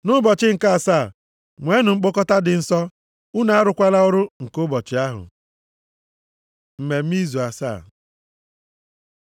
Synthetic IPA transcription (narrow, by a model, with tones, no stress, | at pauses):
nʊ˦bɔ˨t͡ʃɪ˦ŋ̩˨ka˦a˨saː˦˨ | ŋʷe˨˦nʊ˨ŋ͡m̩˦k͡pʊ˦kɔ˦ta˦dɪ˨n̩˨sɔ˦ | u˦na˨a˦ɾʊ˨kʷa˦la˦ʊ˦ɾʊ˦ŋ̩˨kʊ˦bɔ˨t͡ʃɪ˨˦a˦ɦʊ̰˨ | m̩˨me˨m̩˦i˦zu˨a˨sa̰ː˦˨